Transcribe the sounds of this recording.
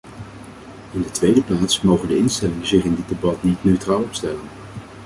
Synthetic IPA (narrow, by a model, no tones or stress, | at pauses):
ɪndətʋejdəplaːtsmowχəndəɪnstɛlɪŋənzɪχɪndɪd̚ebɑtnitnøɥtraːlˠɔpstɛlən